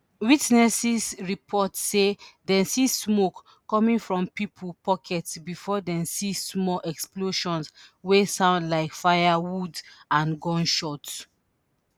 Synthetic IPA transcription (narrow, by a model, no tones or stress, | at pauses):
witnɛsisɹipʰɔtsedɛ̃nsismokː | ɔmĩŋfɹɔ̃mpipʰəlpɔkʰɛtsbifɔdɛ̃msismɔʔɛksploʃɔ̃nswesãʊ̃ndlaɪkfajawudãnɡɔ̃nʃɔt